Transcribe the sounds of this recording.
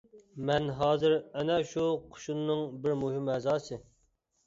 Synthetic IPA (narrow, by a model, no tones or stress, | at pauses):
mɛnɦɑːzɨɾɛnɛʃuqʰʊ̥ʃunːɨŋbɪɾmuɦimɛzɑːsɨ